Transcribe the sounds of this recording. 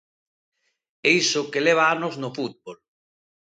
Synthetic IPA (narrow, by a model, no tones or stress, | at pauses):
ɛisʊkeleβ̞aanoznofut̪̚bol